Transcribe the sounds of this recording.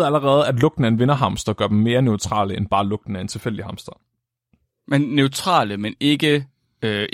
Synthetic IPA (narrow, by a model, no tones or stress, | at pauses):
ð̩ˠæləʁɛːð̞̩ˠæd̥lɔ̽ɡ̥d̥n̩æenʋe̝nɐɦɑ̈msd̥ɐɡ̥ɶɐd̥em̩me̝ːɐneʊt͡sʰʁɑ̰̈ːləenb̥ɑ̈ːlɔ̽ɡ̥̚d̥n̩æent͡sʰe̝lfel̰d̥ihɑ̈msd̥ɐ | menːøʊt͡sʰʁɑ̰̈ːləmene̝ɡ̥ə | ø